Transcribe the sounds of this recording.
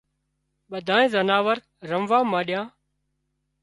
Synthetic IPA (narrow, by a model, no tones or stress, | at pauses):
ɓəd̪ʱãːẽːzənaːʋəɾː | əmʋãːmãːɗɪjãː